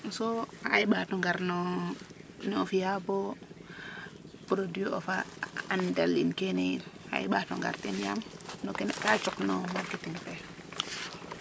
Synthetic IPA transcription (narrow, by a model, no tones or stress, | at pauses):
nsoaaiɓatoŋɡaɾno | neofijabo | pɾodio̰faandalinkenia̰iɓatoŋɡa̰ɾtinjamnokenkat͡ʃuknomaɾketiŋpe